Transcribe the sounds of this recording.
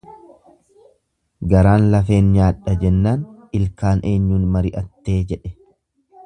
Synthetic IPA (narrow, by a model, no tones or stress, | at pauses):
ɡɐɾaːnlɐfe̞ːnɲaːᶑːɐd͡ʒɛnːaːnɪlkaːnʔe̞ːɲːuːnmɐɾɪʔɐt̪ːe̞ːd͡ʒɛᶑɛ̥